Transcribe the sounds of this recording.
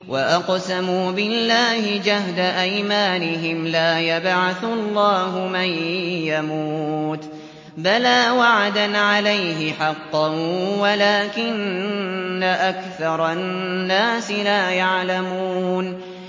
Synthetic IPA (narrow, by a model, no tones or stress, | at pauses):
waʔɑqsamuːbɪlːaːhɪd͡ʒahd̪aʔajmaːnɪɦɪmlaːjabʕaθʊlˤːɑːɦʊmanjamuːt̪ | balaːwaʕad̪anʕalajɦɪħɑqːɑwalaːkɪnː | aʔakθɑɾˤɑːaːsɪlaːjaʕlamuuːn